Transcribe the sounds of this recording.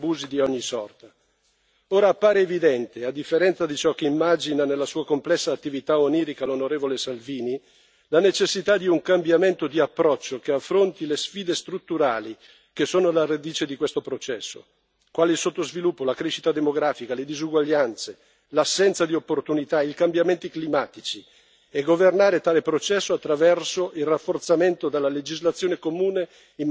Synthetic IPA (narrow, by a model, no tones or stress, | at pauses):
buːzid̪iɔɲːisɔrt̪a | oːɾaːpːaːɾeːvid̪ɛnt̪ead̪ifːeɾɛnt̪sad̪it͡ʃɔkːeimːad͡ʒinanelːasuːakomplɛsːaːt̪ːivit̪aoniːɾikalonoɾeːvolesalviːni | lanet͡ʃesːit̪ad̪iuŋkambjament̪od̪iapːɾɔt͡ʃːokeafːɾont̪ilesfiːd̪est̪ɾut̪ːuɾaːli | k̟esoːnolarad̪iːt͡ʃed̪ikwest̪opɾot͡ʃɛsːo̰ | kwaːleilsot̪ːozvilupːolakɾeʃit̪ad̪emoɡɾaːfikaled̪izuɡwaʎːant̪se | lasːɛnt̪sad̪iopːort̪unit̪ailkambjament̪iklimaːt̪it͡ʃi | eɡovernaːɾet̪aːlepɾot͡ʃɛsːoat̪ːɾavɛrsoʔilrafːort̪sament̪od̪elːaled͡ʒizlat̪sːjoːnekomuːne | im